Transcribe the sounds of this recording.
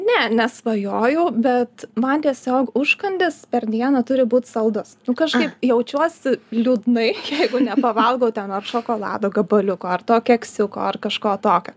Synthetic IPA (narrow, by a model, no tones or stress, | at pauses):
nʲɛnʲɛsʋɐjoːjɛʊbʲɛt̪mɐnt̪ʲiɛsʲoːkʊʃkɐnʲd̪ʲɪspʲɛrd̪ʲiɛnɐt̪ʊɾʲɪbuːt̪ʲsɐlˠd̪ʊsnʊkɐʃkɐɪpjɛʊt͡ʃʲuɔsʲɪlʲuːd̪nɐɪjɛɪɡʊnʲɛpɐʋɐlˠɡɐʊt̪ʲɛnɐrʃoːkoːlˠɑ̰ːd̪oːɡɐbɐlʲʊkoːɐrt̪oːkʲɛksʲʊko̰ːɐrkɐʃkoːt̪oːkʲoː